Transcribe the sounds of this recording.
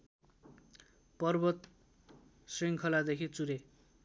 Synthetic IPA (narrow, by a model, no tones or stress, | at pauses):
pʌrbʌt̪ | sriŋkʰʌlad̪ekʰit͡suɾe